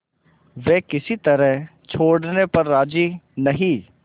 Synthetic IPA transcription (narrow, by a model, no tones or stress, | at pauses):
ʋeːkɪsit̪ɐɾɛɦt͡ʃʰoːɽnepɐɾːaːd͡ʒiːnɐɦĩː